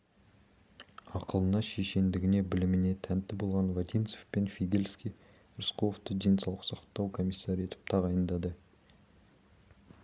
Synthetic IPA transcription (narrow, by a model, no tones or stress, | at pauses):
ɑqəlˠənɑʃeʃe̞nd̪ɪɡʲɪne̞bɪlɪmɪne̞t̪ʰænt̪ːɪbo̞lˠʁɑnvad̪ʲijnt̪sofpe̞nfʲiɡʲe̞lʲskʲij | ʊrsqooft̪əd̪ʲe̞nsɑlˠə̥qsɑqt̪ːɑwkʰo̞mʲisːɑɾʲijet̪ʰɪ̥p̚t̪ʰɑʁɑjənd̪ɑd̪ə